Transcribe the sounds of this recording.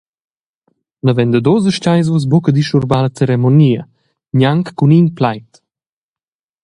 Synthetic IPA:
nəvɛnd̪əd̪ozəʃt͡ʃajz̬vos̬bokəd̪iʃuɾbalət͡sɛɾɛmoniɐ | ɲaŋkːuninplajt̪

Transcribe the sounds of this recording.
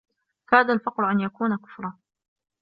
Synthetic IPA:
kaːðalfɑqɾʊʔanjakuːnakʊ̥fɾˤɑ

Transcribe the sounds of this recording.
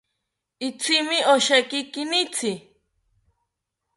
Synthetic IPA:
it͡sʰimioʃekikinit͡sʰi

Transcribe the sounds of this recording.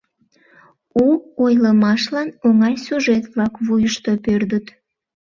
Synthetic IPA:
uojləmɑʃlɑnoŋɑlʲsuʒet̪βlɑkβujəʃt̪opørd̪ət̪

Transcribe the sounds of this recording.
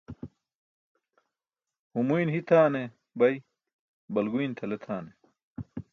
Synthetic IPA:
humujnɦit̪ʰaːne | bɐj | bɐlɡujnt̪ʰɐlet̪ʰaːne

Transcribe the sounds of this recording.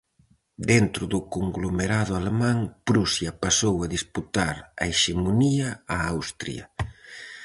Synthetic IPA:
d̪ent̪ɾʊðʊkoŋɡlomeɾaðʊalemãŋpɾusjɐpasowɐðisput̪aɾɐ̰eʃemoniɐaawst̪ɾḭɐ

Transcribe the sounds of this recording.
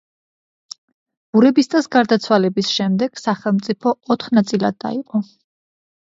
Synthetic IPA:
b̥uɾɛbist̪ʼasɡaɾd̪at̪sʰwalɛbisʃɛmd̪ɛɡ̥saχɛlˠmt̪sʼipʰɔɔt̪χnat̪sʼilˠad̪ːa̰iqʼɔ

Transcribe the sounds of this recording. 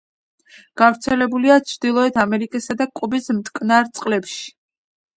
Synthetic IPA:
ɡ̥avɾt̪sʰɛlɛbuliat͡ʃʰɾd̪ilˠɔɛt̪ʰamɛɾikʼisad̪akʼubismt̪ʼkʼnaɾt̪sʼqʼlɛpʃi̥

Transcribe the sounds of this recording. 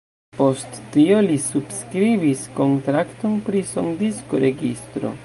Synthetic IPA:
po̞stːio̞lisubskɾibisko̞ntɾakto̞npɾiso̞̰ndiskoɾe̞ɡistɾo̞̰

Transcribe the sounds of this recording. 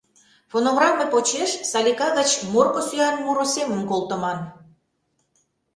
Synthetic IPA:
fonoɣrɑmepot͡ɕeʃsɑlʲikɑɣət͡ɕmorkosyɑnmuɾosemənkolt̪ə̆mɑn

